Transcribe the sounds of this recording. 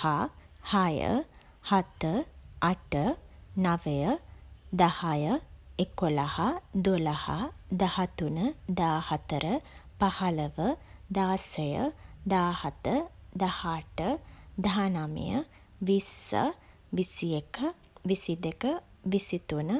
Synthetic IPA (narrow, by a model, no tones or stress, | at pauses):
ha | hajə̰ | hat̪əaʈənaʋejəd̪ahajəekolahad̪olaha̰d̪ahat̪unəd̪aːhat̪əɾəpahaləʋəd̪aːsəjə̰d̪aːhat̪əd̪ahaʈəd̪aanamḭjə̰ | ʋisə̰ | ʋisiekʰə | ʋisid̪ekəʋisit̪unə